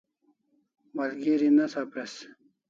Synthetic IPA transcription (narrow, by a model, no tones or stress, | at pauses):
mɐlɡiɾinɐsapɾes